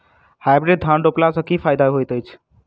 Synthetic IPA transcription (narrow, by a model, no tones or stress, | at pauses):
hajbɾeɖ̚d̪ʱãnɖoplasəkipʰajd̪aɦojt̪əjt͡ʃʰ